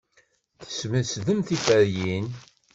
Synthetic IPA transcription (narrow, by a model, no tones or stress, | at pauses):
θə̥sməsðəmθifəɾjin